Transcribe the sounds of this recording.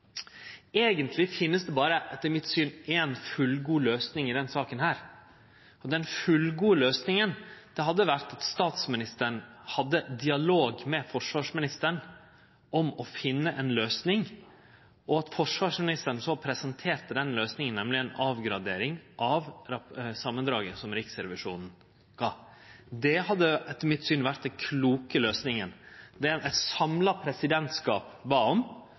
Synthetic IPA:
eːɡənt̪ʰlɪfɪnːəsd̪ɛbɑːɾəʔɛt̪ːəɾmɪt̪syːnɛːnfʉlɡuːløːsnɪŋɪd̪ɛnsɑːkənɦæːɾ | ɔd̪ɛnfʉlɡuːəløːsnɪŋənd̪̥ɛɦɑd̪ːəʋæɾt̪ɑt̪st̪ɑːt̪smɪnɪst̪əɳhɑd̪ːəd̪ɪɑloːɡmɛfɔʂʋɑːʂmɪnɪst̪əɳ | ʔɔmɔfɪnːəʔɛnløːsnɪŋ | ʔɔɑt̪fɔʂʋɑːʂmɪnɪst̪əɳsɔpʰɾɛsɑnt̪ʰeːɾt̪əd̪ɛnløːsnɪŋənːɛmlɪɛnɑːʋɡɾɑd̪eːɾɪŋʔɑʋɾɑsɑmːənd̪ɾɑːɡəsɔmɾɪksɾɛʋɪʂuːnn̩ | ɡ̥ɑː | d̪ɛhɑd̪ːəɛt̪mɪt̪ːsyːnʋæɾt̪̚d̪ɛnkʰluːkəløːsnɪŋənd̪ɛɛt̪sɑmlɑpʰɾɛsɪd̪ɛnt̪skɑːpbɑːɔm

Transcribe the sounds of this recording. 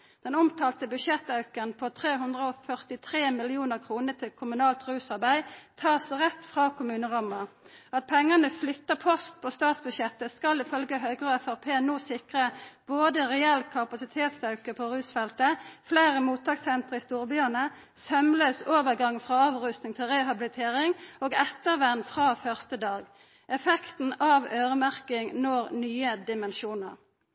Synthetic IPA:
dd̪̥ɛnʊmt̪ʰɑːlt̪əbʉʃɛt̪ːɑʉkənpʰot̪ʰʁeːɦʉnd̪ʁəɔfœʁt̪ɪt̪ʰʁeːmɪlɪuːnəʁkʰʁuːnət̪ʰɪlkʰʊmʉnɑːlt̪ʁʉːsɑʁbæɪt̪ʰɑːsʁɛt̪fʁɑːkʰʊmʉːnəʁɑməɑt̪̚pʰɛŋːənəflʏt̪ːəpʰɔst̪̚pʰoːst̪ɑːt̪sbʉʃjɛt̪ːəskɑlɪfœlɡəɦœːɡʁøːæfæʁpʰeːnoːsɪkʁəb̥oːd̪əʁɛɛlkʰɑpɑsɪt̪ʰeːt̪sɑʉkəpʰoʁʉːsfɛlt̪əfleːʁəmuːt̪̚ɑːɡsɛnt̪ʁəɪst̪uːʁəbyːənə | sœmlœːsoːʋəʁɡɑŋːfʁɑːɑːʋʁʉst̪nɪŋt̪ʰɪlʁɛɦɑbɪlɪt̪ʰeːʁɪŋoːɡɛt̪ːəʁʋɛnːfʁɑːfœʁst̪əd̪ɑːɡ | ʔɛfɛkt̪n̩ɑʋøːʁəmæʁkɪŋnɔɡnyːəd̪ɪmɛnʃuːnə̰ʁ

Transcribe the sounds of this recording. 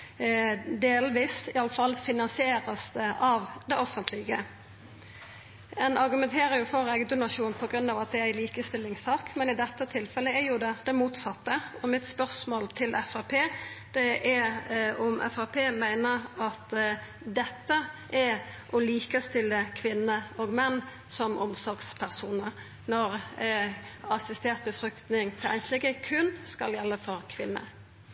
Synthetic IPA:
d̪eːlʋiːsɪɑlːəfɑlːfɪnɑnsɪeːɾəsd̪əʔɑʋd̪ɛʔɔfənt̪ʰlɪɡə | ɛnɑɾɡʉmɛnt̪ʰeːɾəɾjʊfɔɾɛɡd̪ʊnɑʂuːnpʰɔɡɾʉnːɑːʋɑt̪̚d̪ɛæɪliːkəst̪ɪlːɪŋsɑːkmɛnɪd̪ɛt̪ːət̪ʰɪlfɛləɛɾjʊd̪ɛd̪̥ɛmuːt̪sɑt̪ːəɔmɪt̪spœʁsmoːlt̪ʰɪlʔɛfɑpʰeːd̪̥ɛʔɛɔmʔɛ̰fɑpʰeːmæɪnəɾɑt̪ | d̪ɛt̪ːəʔɛ | ʔɔliːkəst̪ɪlːəkʰʋɪnːəoːɡmɛnː | sɔmʔɔ̰msɔɾɡspʰæʁsuːnəɾ | nɔɾ | ɑsɪst̪eːʁt̪̚bəfʁʏkt̪nɪŋt̪ʰɪlæ̰ɪslɛɡəkʰʉnskɑljɛlːəfɔɾkʰʋɪnːə̰

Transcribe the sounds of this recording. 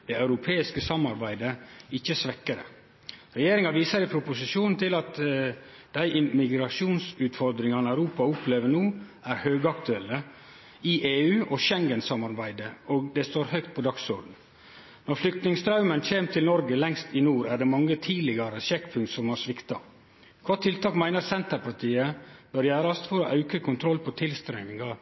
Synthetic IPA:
d̪̥ɛɑʉɾʊpʰeːɪskəsɑmːɑɾbæɪd̪əɪçːəsʋɛkːəɾə̰ | ɾɛjeːɾɪŋɑʋiːsəɾɪpʰɾʊpʊsɪʂuːnn̩t̪ʰɪlɑt̪ | d̪æɪʔɪmɪɡɾɑʂuːnsʉːt̪fɔɾd̪ɾɪŋɑnəæʉɾuːpɑʊpʰleːʋəɳuːʔæɾhøːɡɑkt̪ʉɛlːə | ɪʔeːʉːʔɔʃɛŋɡənsɑmɑɾbæɪd̪əʔoːɡd̪ɛst̪oːɾhœʏkt̪̚pʰɔd̪ɑksɔɾɖ̪n̩ | nɔɾflʏk̚t̪nɪŋst̪ʰɾɑʉmənc͡çeːmt̪ʰɪlnɔɾɡəlɛŋst̪ɪnuːɾæɖɛmɑŋːət̪ʰiːlɪɡɑɾəʃɛkːpʰʉŋt̪sɔmɑɾʂʋɪkt̪ɑ | kʰʋɑt̪ʰːɪlt̪ɑːkmæɪnəɾsɛnt̪əɾpʰɑʈʰiːəb̥œɾjæːɾɑst̪fɔɾɔʔɑʉkəkʰʊnt̪ʰɾɔlpʰɔt̪ʰɪlst̪ɾɛmɪŋɑ

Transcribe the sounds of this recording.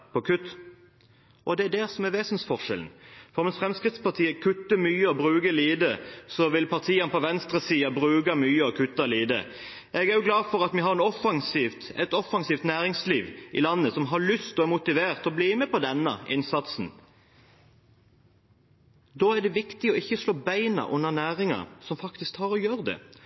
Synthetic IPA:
pʰɔkʰʉt̪ | ʔɔd̪ɛæd̪ɛsɔmæʋeːsənsfɔʁʃɛ̰ln̩fɔʁʋɛnsfʁɛmskʁɪt̪spʰɑʁt̪ʰiːəkʰʉt̪ːəmyːəɔbʁʉːɡəliːd̪əsɔʋɪlpʰɑʁt̪ʰiːɑnpʰɔʋɛnst̪ʁəsiːɑbʁʉːɡɑmyːəɔkʰʉt̪ːɑliːd̪ə̰ | ɛɡæɾjʊɡlɑːfɔʁɑt̪miɦɑʁɛnɔfːɑŋsiːʋt̪ɛt̪ɔfːɑŋsiːft̪næːɾɪŋsliːʋʔɪ̰lɑnːəsɔmɦɑlʏst̪ɔæmʊt̪ɪʋeːʁt̪ɔbliːmɛpɔd̪ɛnːɑ̰ʔɪnsɑt̪sn̩ | d̪oːæɖ̪ɛʋɪkt̪ɪɔɪçːəsloːbæɪnɑ̰ʔʊnːənæːʁɪŋɑ̰sɔmfɑkt̪ɪskt̪hɑɾɔjøːɾəd̪ɛ̰

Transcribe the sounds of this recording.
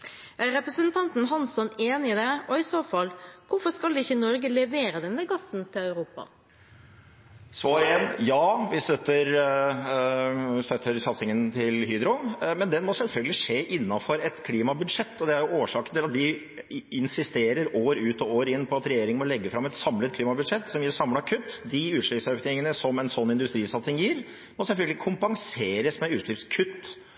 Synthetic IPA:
ʔæɾɾɛpɾəsənt̪ʰɑnt̪n̩ɦɑnsɔneːnɪɪd̪ɛɔɪsoːfɑlːkʊfɔskɑld̪ɛɪçːənɔɾɡəlɛʋeːɾəd̪ɛnːəɡɑsnt̪ʰɪlɑʉɾuːpɑ̰ | sʋɑːɾɪɛnjɑːʋɪst̪œt̪ːəɾ | st̪œt̪ʰːəɾsɑt̪sɪŋənt̪ʰɪlhyːd̪ɾʊŋmɛnd̪ɛmɔsɛlfœlɡəlɪʂeːʔɪnːɑfɔɾɛt̪kʰliːmɑbʉd̪ʂɛt̪ːɔd̪ɛæɾjʊoːʂɑːkənt̪ʰɪlɑt̪d̪ɪ | ɪnsɪst̪eːɾəɾoːɾʉːt̪ɔoːɾɪnːpʰɔɑt̪ɾɛjeːɾɪŋənmɔlɛɡːəfɾɑmːɛt̪sɑmlət̪̚kʰliːmɑbʉd̪ʂɛt̪ːsɔmjiːɾsɑmləɑkʰʉt̪ːd̪ɪʉːlɪpsøːknɪŋənəsɔmɛnsɔnːɪnd̪ʉst̪ɾiːsɑt̪sɪŋjiːɾ | mɔsɛlfœlɡəlɪkʰʊmpɑŋseːɾəsmɛʉːlɪpskʰʉt̪ː

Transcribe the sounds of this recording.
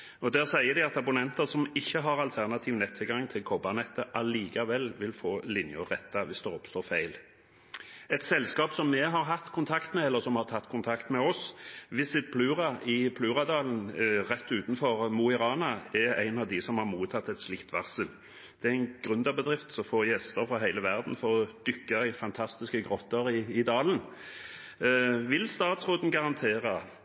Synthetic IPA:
ɔd̪æːʁsæɪəɾd̪ɪɑt̪ɑbʊnɛnt̪əʁsɔmɪçːəɦɑʁɑlt̪ʰæʁnɑt̪ʰiːʋnɛt̪ʰːɪlɡɑŋːt̪ʰɪlkʰɔbɑnɛt̪ːəʔɑliːkɑʋɛlːʋɪlfoːlɪnjʊʁɛt̪ːɑʋɪsd̪ɛɔpst̪oːfæɪl | ɛt̪sɛlskɑːpsɔmːɛɦɑʁɦɑt̪ːkʰʊnt̪ʰɑkt̪mɛɛlːəɾsɔmhɑʁt̪ʰɑt̪ːkʰʊnt̪ʰɑkt̪mɛɔsʋɪsɪt̪̚pʰlʉːʁɑɪpʰlʉːʁɑd̪ɑːln̩ʁɛt̪ːʉːt̪n̩fɔʁmuɪɾɑːnɑɛʁæ̰ɪnɑʋd̪ɪsɔmhɑɾmuːt̪ʰɑt̪ːɛt̪slɪkt̪ʋɑʁsəl | d̪̥ɛææɪnɡ̥ʁʉnd̪ɑbəd̪ʁɪft̪sɔfoːjɛst̪əɾfɾɔɦæɪləʋæʁd̪n̩fɔɾɔd̪̥ʏkːɑɪfɑnt̪ʰɑst̪ɪskəɡʁɔt̪ːəɾɪɪd̪ɑːln̩ | ʋɪlst̪ɑːt̪sʁoːd̪n̩ɡɑʁɑnt̪ʰeːʁɑ

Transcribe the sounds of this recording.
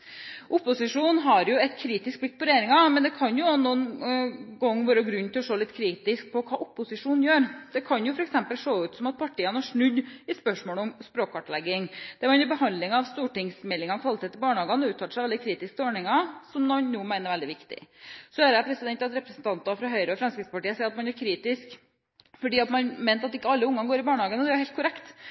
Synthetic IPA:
ʔʊpːʊsɪʂuːnɦɑɾjʊɛt̪kʰɾiːt̪ɪsk̚blɪk̚ːpʰɔɾɛjeːɾɪŋɑmɛnd̪ɛkʰɑnjʊnuːn | ɡɔŋːʋøːɾəɡɾʉnːt̪ʰɪlɔʂoːlɪt̪ːkʰɾiːt̪ɪsk̚pʰɔkʰɑːʔʊpːʊsɪʂuːnjøːɾd̪̥ɛkʰɑnjʊfɔɾɛksɛmpəlʂoːʉːt̪sɔmɑt̪̚pʰɑʈʰiːənæʂɳʉd̪ːɪspœʂmoːlɔmspɾoːkɑʈlɛɡːɪŋd̪̥ɛmɛɪnəɾbəhɑnd̪lɪŋɑʋst̪uːʈɪŋsmɛlːɪŋɑɔkʰʋɑlɪt̪ʰeːt̪ːɪbɑːɳəɑːɡɑnɔʉːt̪ʰːɑːt̪əʂæɪʋɛld̪ɪkʰɾiːt̪ɪskt̪ʰɔːɳɪŋɑsɔmːɑnnuːmæɪnəɾʋɛld̪ɪʋɪkt̪ɪ̰sɔæɾæpʰɾɛsɪd̪ɛnt̪ɑt̪ɾɛpɾəsn̩t̪ɑnt̪ɑfɾɑɦœʏɾəɔfɾɑnskɾɪt̪səpɑʈiːəsɛːɾɑt̪mɑnæɾkʰɾiːt̪ɪsk | fɔɖiːɑt̪mɑnmæɪnt̪ɑt̪ɪkːəɑlːəʊŋːɑɡoːɾɪbɑːɳhɑːɡənəd̪ɛæɾhɛlt̪kʰʊɾɛkt̪

